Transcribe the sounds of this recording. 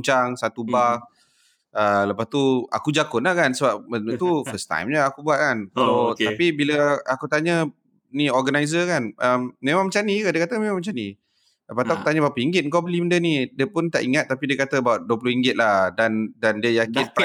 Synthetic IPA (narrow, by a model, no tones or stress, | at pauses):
t͡ʃaŋsat̪ubak̚ | ələpast̪ua̰kud͡ʒakʊnlahkansəbap̚mənut̪ufəst̪ã̰jmɲəakubuaʔ̪̚kanklot̪apibiləakut̪aɲə | niɔɡanajz̬əkanəmːẽmaŋmət͡ʃanikadiəkat̪əmẽmãŋmət͡ʃani | ləpast̪uaku̥t̪aɲəbapəiŋɡɪt̪̚ŋkabəliməndənidiəpʊnt̪a̰ʔiŋat̪̚ːapidiəkat̪əbawaʔ̚duəp̬lohiŋɡɪt̪̚lahdandandiəjakɪn